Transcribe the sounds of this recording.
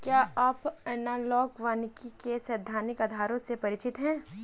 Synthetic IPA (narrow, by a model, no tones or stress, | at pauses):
kjaːʔaːpɐnaːlɔːkʋaːnkikesɐd̪ʱːaːnɪkɐd̪ʱaːɾõsepɐɾɪt͡ʃɪt̪ɦɛ̃ː